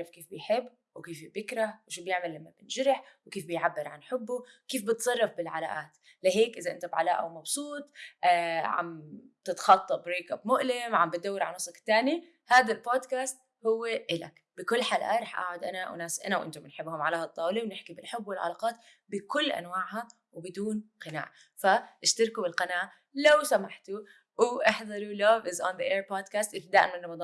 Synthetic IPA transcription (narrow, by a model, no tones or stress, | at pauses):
ɾˤɑfkeːfbɪjħɪbː | wkeːfbjɪkɾˤahwʃuːbjɪʕmalːamːabɪnʒɪɾɪħwkeːfbɪjʕabːɪɾʕa̰nħɪbːukeːfbɪt̪sˤɑrˤːɑfbɪlʕala̰ːʔaːt̪ | lɪɦeːkʔɪzaʔɪnt̪abʕa̰laːʔa̰wmɑbsˤuːt̪ˤʔaʕa̰mt̪ɪt̪xɑt̪ˤːɑbɾeːkʔabmʊʔlɪmʕambɪt̪̚d̪awːɪɾʕa̰nːɑsˤɑkt̪ːaːni | haːd̪alboːd̪kaːst̪̚ | hʊwːeʔɪla̰k | b̥ɪkʊlːħaːlʔa̰ːɾˤɑːħʔa̰ːʕʊd̪ʔana̰wnaːsʔanawʔɪ̰nt̪ʊmɪnħɪbːhʊmʕalaːhɑt̪ˤːɑːwliwnɪħkibɪlħʊbːwɪlʕa̰lɑ̰ːqɑːt̪ | bɪkʊlːʔa̰nwaːʕha | wbɪd̪uːnqɪna̰ːʕ | faʔɪʃt̪ɑɾkubɪlqɑnaːʔ | lawsamaħt̪u | wɪʔɑħðˤɑɾˤuloːvɪzɔnðəʔeːɾpoːd̪kaːst̪ʔɪd̪aːʔɪmɪnrˤɑmɑd̪ˤɑːn